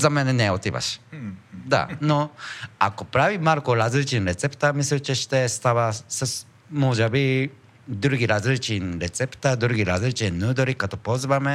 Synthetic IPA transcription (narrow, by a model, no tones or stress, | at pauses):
zameneneot̪ːiba̰ɕi̥d̪a̰noa̰kopɯɾaβimaɾɯkoɾazɨɾɯt͡ʃĩnɾet͡se̞pɯ̥t̪aːmisɨɾɯt͡ʃiɕi̥t̪esɨ̥t̪aβasɨs | mod͡ʒabi | d̪ɯɾɯɡʲiɾazɨɾɯt͡ʃĩnɾet͡sepɯ̥t̪ad̪ɯɾɯɡʲiɾazɨɾɯt͡ʃinːɯːd̪oɾikːat̪opoːzɨbame